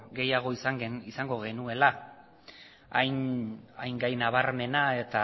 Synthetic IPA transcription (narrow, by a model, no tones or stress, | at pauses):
ɡe̞jaɣ̞o̞isaŋisaŋɡo̞ɣ̞e̞nue̞la | ajŋajŋɡajnaβaɾme̞nae̞t̪a